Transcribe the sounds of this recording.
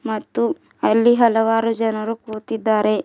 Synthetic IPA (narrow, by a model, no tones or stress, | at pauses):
mɐt̪ːu | ɐlːiɦɐlɐʋaːɾud͡ʒɐnɐɾukuːt̪id̪ːaːɾʔe̞